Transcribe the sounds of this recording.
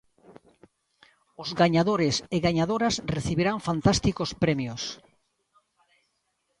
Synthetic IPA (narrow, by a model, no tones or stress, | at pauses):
ʊzɡaɲaðoɾeseɣaɲaðoɾasreθiβeɾaŋfant̪ast̪ikospɾɛmjos